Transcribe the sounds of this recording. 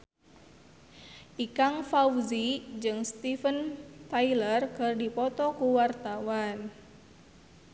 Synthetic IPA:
ʔikaŋfawzid͡ʒɨŋst̪ifənt̪ailərkɨrdipɔt̪ɔkuwart̪awan

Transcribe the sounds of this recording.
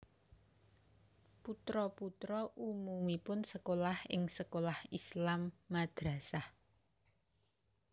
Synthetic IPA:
put̪ɾɔput̪ɾɔʔumumipʊnsəkolahɪ̰ŋsəkolahislamːad̪̥ɾa̤sah

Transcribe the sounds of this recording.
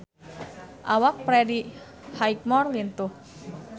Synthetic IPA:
ʔawak̚pɾɛdi | hajk̚mɔrlint̪ʊh

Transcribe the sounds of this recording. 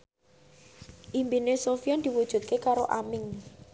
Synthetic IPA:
ʔimbinesofiɔnd̪̥i̤wud̥ʒ̥ṳt̪̚kekaɾoʔamɪŋ

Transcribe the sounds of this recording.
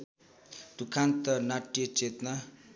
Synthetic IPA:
d̪̥ukʰant̪ʌnaʈːjʌt͡set̪na

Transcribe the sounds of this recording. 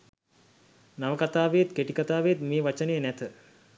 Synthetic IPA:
naʋəkat̪aːʋejet̪keʈikat̪aːʋejət̪meːʋat͡ʃənəjənæt̪ə

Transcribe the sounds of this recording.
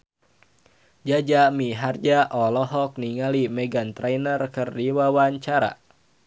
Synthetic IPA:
d͡ʒad͡ʒamiɦard͡ʒaʔɔlɔɦɔk̚niŋalimɛɡant̪ɾajnərkɨrdiwawaɲt͡ʃaɾa̰

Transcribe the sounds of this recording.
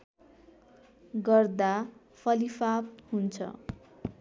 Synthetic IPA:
ɡʌrd̪a | pʰʌlifap̚hunt͡sʰʌ̰

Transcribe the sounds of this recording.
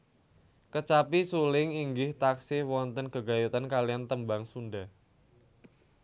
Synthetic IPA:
kət͡ʃapisulɪŋiŋɡɪht̪aksɪwɔnt̪ənkəɡa̤jut̪ankalijant̪əmbaŋsunɖa

